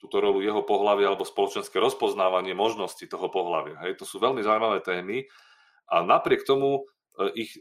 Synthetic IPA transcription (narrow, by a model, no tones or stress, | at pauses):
t̪uːt̪ɔɾɔlujɛɦɔpɔɦlaʋɪalɛbɔspɔlɔt͡ʃɛnskɛɾɔspɔznaːʋaɲɪɛmɔʒnɔscit̪ɔɦɔpɔɦla̰ʋɪa̰ɦɛjt̪ɔsuːʋɛlmizawimaʋɛːt̪ɛːmi | ʔanapɾɪɛk̚t̪ɔmu | ʔix